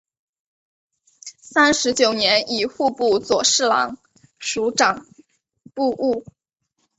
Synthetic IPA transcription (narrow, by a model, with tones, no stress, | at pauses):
sa˥nʂɻ̩˧˥t͡ɕjo˨˩ʊnjɛ˧˥ni˨˩xu˥˧pu˥˩t͡swɔ˨˩ʂɻ̩˥˩lɑ̰˧˥ŋ | ʂu˧˥ʈ͡ʂɑ˨˩ŋ | pu˥˧ʔu˥˩